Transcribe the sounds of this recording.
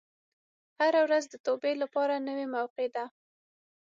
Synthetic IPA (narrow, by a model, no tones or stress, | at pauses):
haɾawɾazd̪ət̪obelapɑɾanəwemawqed̪a